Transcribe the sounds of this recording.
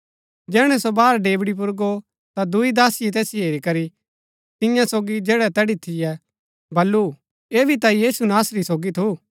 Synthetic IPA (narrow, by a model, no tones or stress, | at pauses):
d͡ʒɛːɽ̃ɛsobaːɾɖeːbɽip̬ʊɾɡo | t̪ad̪ʊid̪aːsɪjet̪ɛːsiɦeːɾikɐɾi | t̪ɪ̃jãsoːɡid͡ʒɛːɽɛt̪ɛːɽit̪ʰɪjɛ | bɐlːu | eːbʱit̪ajiːsunaːsɾisoːɡit̪ʰu